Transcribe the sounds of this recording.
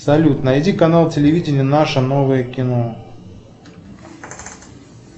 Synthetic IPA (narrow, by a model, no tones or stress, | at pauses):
sɐlʲut̪nəɪdʲikɐnalˠtʲɪlʲɪvʲidʲɪnʲɪənaʂənovəjəkʲɪno